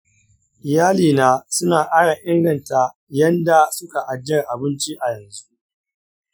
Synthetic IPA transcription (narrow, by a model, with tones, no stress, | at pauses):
ʔɪ˨jaː˦liː˨naː˦sʊ˦naː˨ʔaː˦ɽa˨ʔɪ˦ŋɡɐ˨nta˨ | jɐ˦nda˨sʊ˦ka˨ʔa˨d͡ʒɐ˦˨rʔa˨bɪ˦nt͡ʃi˦ʔa˨jɐ˨nzu˦